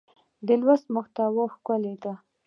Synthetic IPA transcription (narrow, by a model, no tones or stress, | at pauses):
d̪əlwast̪mʊxt̪awoxkaled̪a